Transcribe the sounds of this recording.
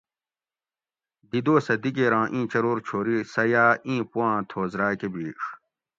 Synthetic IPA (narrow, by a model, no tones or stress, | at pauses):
d̪id̪oːsɐd̪ikeɾãːʔĩːt͡ɕɐɾoːɾt͡ɕʰoːɾisɐjaːʔĩːpuwãːt̪ʰoːzɾaːkebiːʂ